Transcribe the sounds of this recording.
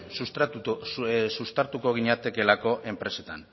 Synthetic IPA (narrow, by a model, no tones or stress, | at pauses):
sust̪aɾt̪uko̞ɣ̞iɲat̪e̞ke̞lako̞ʔe̞mpɾe̞se̞t̪a̰n